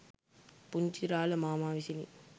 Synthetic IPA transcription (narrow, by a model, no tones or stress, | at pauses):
pʊɲd͡ʒiɾaːlɐmaːmaːʋisilḭ